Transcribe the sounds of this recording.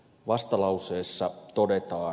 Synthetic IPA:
ʋɑst̪ɑlɑwse̞ːsːɑt̪o̞det̪ɑː

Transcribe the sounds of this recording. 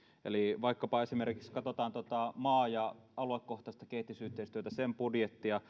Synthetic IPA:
ʔḛliʋɑˑikːɑpɑesimerkikskɑt̪ot̪ɑːnt̪ot̪ɑmɑːjɑɑluekːoht̪ˑɑˑst̪ɑkeit̪ːˑisyht̪ːˑeˑist̪yøt̪æsempudjet̪ːijɑ

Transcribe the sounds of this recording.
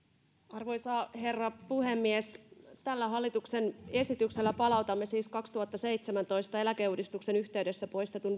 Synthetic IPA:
ɑrʋo̞jsɑːhe̞rːɑpuhemːiest̪ælːæɦɑlːit̪uksene̞sit̪ykse̞lːæpɑlɑut̪ɑmːe̞siːskɑkst̪uhɑt̪ːɑsejt̪semænt̪o̞ist̪ɑe̞lækeuːdist̪ukse̞nyçt̪e̞yde̞sːæpo̞jst̪et̪un

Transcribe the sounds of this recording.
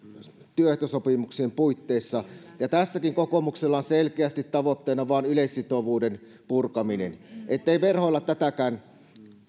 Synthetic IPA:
t̪yøht̪øsopimuksiempuit̪ːeːsːɑ | jɑt̪æsːækiŋkokomukselːɑonselkeæst̪it̪tɑʋot̪ːeˑːnɑʋɑˑːnyleisːit̪oʋuːden | purkɑminḛnʔet̪ːeiʋerhoilːɑt̪ːæt̪ækæːn

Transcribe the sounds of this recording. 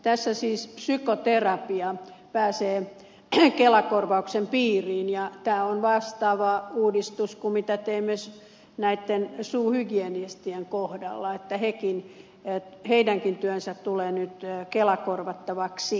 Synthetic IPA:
t̪æsːæsiːspsykot̪erɑpiɑpæːseː | kelɑkorʋɑuksempiːriːnjɑt̪æːonʋɑst̪ɑːʋɑuːdist̪uskumit̪æt̪eimːes | næit̪ːensuːhyɡienist̪ieŋkohdɑ̰lːɑet̪ːæhekin | heidæŋkint̪yønsæt̪t̪uleːnyt̪kelɑkorʋɑt̪ːɑʋɑksi

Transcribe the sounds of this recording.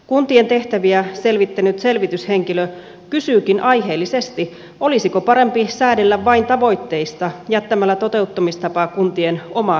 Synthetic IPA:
kunt̪ie̞nt̪e̞ht̪æʋiæse̞lʋit̪ːænyt̪se̞lʋit̪yshe̞ŋkilø | kysyːkinʔɑjɦe̞ːlːise̞st̪i | o̞lisiko̞pɑɾe̞mpisæːdelːæʋːɑint̪ɑʋo̞jt̪ːe̞ijst̪ɑjæt̪ːæmælːæt̪o̞t̪e̞ut̪ːɑmist̪ɑpɑkunt̪ieno̞mɑ

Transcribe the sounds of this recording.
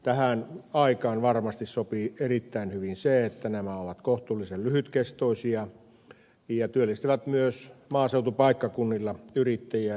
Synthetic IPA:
t̪æhænɑikɑːnʋɑrmɑst̪issopierit̪ːæinhyʋinseet̪ːænæmæoʋɑt̪koht̪uːlːisellyhyt̪kest̪oˑisiɑ | jɑt̪yølːist̪iʋæt̪myøsmɑːseut̪upɑikːɑkunːilːɑyrit̪ːæjiæ

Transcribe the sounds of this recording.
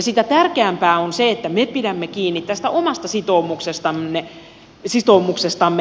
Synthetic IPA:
ɑsit̪æt̪ærkeæmpæːonseet̪ːæmepidæmːekiːnːit̪t̪æst̪æʔomɑst̪ɑsit̪oːmuksest̪ɑmːe | sit̪omuksest̪ɑmːe

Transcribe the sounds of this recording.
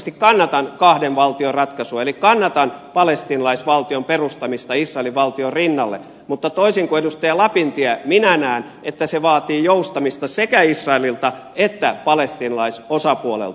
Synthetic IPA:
st̪ikkɑnːɑt̪ɑnkɑhdenʋɑlt̪iorɑt̪kɑsuɑelikkɑnːɑt̪ɑnpɑlest̪inɑlɑisʋɑlt̪iomperust̪ɑmist̪ɑisrɑeliʋʋɑlt̪iorinːɑlːḛ | mut̪ːɑt̪oisiŋkuedust̪æjɑlɑpint̪iæminænæːn | et̪ːæseʋɑːt̪iːjoust̪ɑmist̪ɑsekæisrɑelilt̪ɑ | et̪ːæpɑlest̪inɑlɑisosɑpuolḛlt̪

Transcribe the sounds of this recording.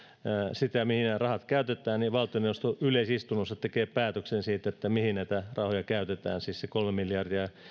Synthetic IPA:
sit̪æmihinerɑhɑt̪kæyt̪et̪ˑæːnniʋɑlt̪ˑioneuost̪oʔyleisist̪unːosːɑt̪ekeːpæːt̪øksensiːt̪et̪ːæmihinnæit̪ærɑhojɑkæyt̪et̪æ̰ːnsiːssekolmemiljɑrdiɑ

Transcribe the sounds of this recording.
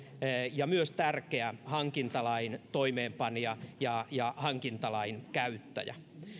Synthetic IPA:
jɑmyøst̪ærkeæhɑŋkint̪ɑlɑint̪oimeːmpɑnijɑjɑjɑhɑŋkint̪ɑlɑinkæyt̪ːæ̰jæ̰

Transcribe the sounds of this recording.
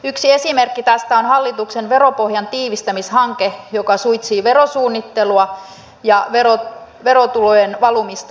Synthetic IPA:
yksie̞simerkːit̪æst̪æonhɑlːit̪uksenʋe̞ɾopohjɑnt̪iːʋist̪æmishɑŋkejokɑsujt̪siːʋeɾosuːnːit̪ːeluɑ | jɑʋero | ʋeɾot̪ulojenʋɑlumist̪ɑ

